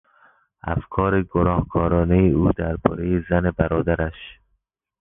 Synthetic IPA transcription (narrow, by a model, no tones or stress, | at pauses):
æ̰fkʰɒːɾeɡonɒːhkʰɒːɾɒːnejeuːd̪æɾbɒ̰ːɾejezænebæɾɒːd̪æɾæʃ